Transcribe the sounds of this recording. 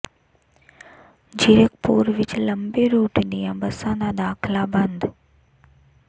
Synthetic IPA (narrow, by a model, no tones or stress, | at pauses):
d͡ʑiɾək̚puːɾʋɪt͡ʃləmbeɾoːʈniãbɐsãːnd̪ad̪aːkʰlabɐ̃nd̪